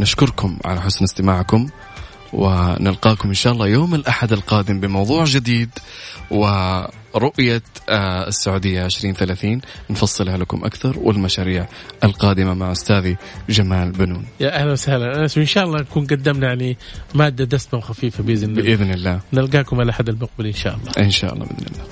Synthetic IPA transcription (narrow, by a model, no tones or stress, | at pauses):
nɪʃkʊɾkʊmʕa̰laħʊsnɪst̪ɪmaːʕkʊm | wɪ̰nɪlqɑːkʊmʔɪnʃaːʔɑlˤːɑːjoːmɪlʔaħad̪alqɑːd̪ɪmbɪmɑwðˤuːʕd͡ʒɪd̪iːd̪wɪ | ɾʊʔja | ɪsːaʕuːd̪ɪjːaʕɪʃɾiːnθalaːθiːnnfɑsˤːɨlhalakʊ̰mʔa̰kθɑɾˤwɪ̰lmaʃaːɾiːʕʔalqɑːd̪ɪmamaʕʔʊst̪aːðid͡ʒamaːlbɪnuːnjaːʔahlanwɪsahlanʔanaswɪnʃaːʔɑlˤːɑːnakuːnɡad̪ːamnajʕanimaːd̪ːad̪asmawxafiːfabɪzɪnːʔɪðnɪlːaːnɪlɡaːkʊmʕalaʔħad̪ːalmʊq̚bɪlʔɪnʃa̰ːʔɑlˤːɑʔɪnʃa̰ʔɑ̰lːˤɑ̰bʔɪ̰nɪ̰lːaː